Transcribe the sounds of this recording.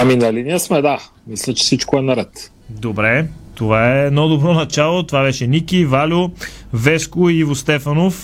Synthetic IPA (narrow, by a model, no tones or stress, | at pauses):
aminɐlinijəsmɛd̪a | mislʲət͡ʃɛ̥sit͡ʃkoɛnɐɾɛt̪ | d̪obɾɛt̪ovaɛːd̪nɔd̪obɾɔnɐt͡ʃalˠot̪ovabɛʃɛnikʲivalʲovɛskoiivost̪ɛfɐnof